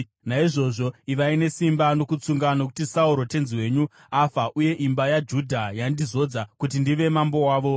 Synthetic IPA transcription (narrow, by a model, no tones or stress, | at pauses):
naiʐo̞ʐo̞iʋaine̞simbano̞kut͡suŋɡanok̬u̥tisauɾo̞te̞nziwe̞ːɲu | afaʔuje̞ʔimbajad͡ʒudʱajandizo̞d͡zakutindiʋe̞mambo̞waːʋo̞